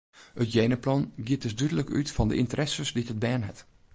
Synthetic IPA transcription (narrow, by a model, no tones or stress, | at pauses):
hətjeːnəplɔnɡiət̚dəsdydələky̰tfɔndə̰ʔintəɾɛsəsditət̚bɛːnɦɛ̰t